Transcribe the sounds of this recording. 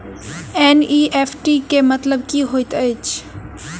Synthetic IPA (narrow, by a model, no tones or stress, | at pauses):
eːniːʔeːpʰʈikemət̪ləb̚kiːɦoːit̪əjt͡ʃʰ